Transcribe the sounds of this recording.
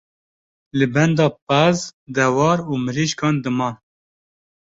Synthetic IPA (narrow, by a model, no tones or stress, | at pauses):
lɨbɛnd̪ɑːp̚æzd̪ɛwɑːɾuːmɨɾiːʃkɑːnd̪ɨmɑːn